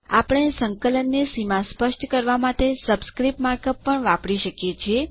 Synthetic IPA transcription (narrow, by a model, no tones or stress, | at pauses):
apəɳ̃esəŋkələnːesimãspəʃʈkəɾʋamat̪esəbskɾipmaɾkəpːəɳʋãpɽiʃəkjet͡ʃʰie